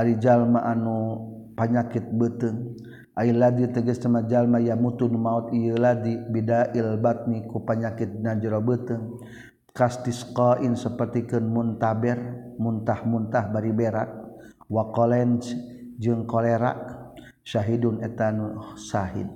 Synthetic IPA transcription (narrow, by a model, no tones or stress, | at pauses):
aɾid͡ʒalmaʔanupaɲakit̪̚bət̪ɨŋ | ʔailːadit̪ɛɡəst̪əmad͡ʒalmajamut̪unumaut̪ijəladibidaʔilbat̪̚nikupaɲakit̪̚nad͡ʒɾɔbət̪ɨŋ | kast̪iskaʔinsəpərt̪ikənmunt̪abɛrmunt̪ahmunt̪ahbaɾibɛɾak̚ | wakɔlɛnt͡ʃd͡ʒɨŋkolɛɾa̰k̚ | saɦidunɛt̪anusaɦḭn